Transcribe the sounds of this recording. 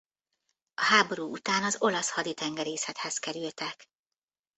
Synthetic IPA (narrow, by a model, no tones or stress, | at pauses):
ɒɦaːbo̞ɾuːʔut̪aːnɒzo̞lɒshɒd̪it̪ɛŋɡɛɾeːsɛt̪hɛzkɛɾylt̪ɛk